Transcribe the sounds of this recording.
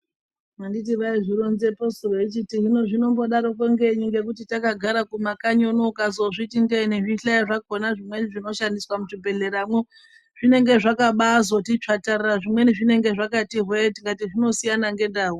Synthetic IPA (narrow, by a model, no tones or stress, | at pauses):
mandit̬iʋaiʐiɾonze̞postoroet͡ʃitiɦinoʐino̞mbo̞ɗaɾokoŋɡe̞ɲiŋɡe̞kutitakaɡʱaɾakumakaɲonokazoʐitiŋɡeniʐiɬaiʐako̞naʐimwe̞niʐino̞ʃandiswamut͡ʃibʱe̞ɮe̞ɾamwo | ʐ̥ine̞ŋɡe̞ʐakaɓazotit͡ʂatariaʐimwe̞niʐine̞ŋɡe̞ʐakatiɦwetiŋɡatiʐino̞sijanaŋɡe̞ndaːɦu